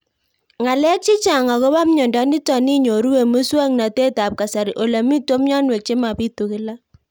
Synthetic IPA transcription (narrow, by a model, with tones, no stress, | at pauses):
ŋa˨lɛ˦k̚t͡ʃi˦t͡ʃa˨ŋa˨ko˦ba˦mɲɔ˨nda˨˦ni˦tɔ˨ni˦ɲo˨ɾu˦we˨mu˦swa˦ŋna˨te˦ta˨p̚ka˨sa˨ɾi˨ʔo˨la˨mi˦to˦mɲɔ˦nwe˨k̚t͡ʃe˦ma˨pi˦tu˨kɪ˦la˦